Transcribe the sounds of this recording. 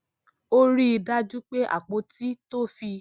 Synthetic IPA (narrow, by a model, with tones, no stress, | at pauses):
o˦ɾi˦i˧da˦d͡ʒu˦k͡pe˦ʔa̰˦˨k͡po˧˦ti˦to˦fi˧